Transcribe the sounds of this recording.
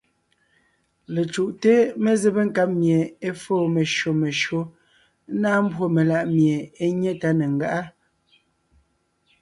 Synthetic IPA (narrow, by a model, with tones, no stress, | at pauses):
le˨t͡ʃu˨ʔte˦me˦ze˦be˦ŋ̩˦ka˦p̚mje˨e˦foː˦˨me˨ʃo˨me˨ʃo˨˦ | naː˦m̩˦bwo˦me˨la˦˨ʔmje˨e˦ɲɛ˦ta˦ne˨ŋ̩˨ɡa˦ʔa˦